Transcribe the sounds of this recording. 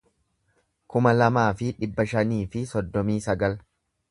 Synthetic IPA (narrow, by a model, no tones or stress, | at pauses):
kʊmɐlɐmaːfɪᶑɪbːɐʃɐniːfɪsɔd̪ːɔmiːsɐɡɐl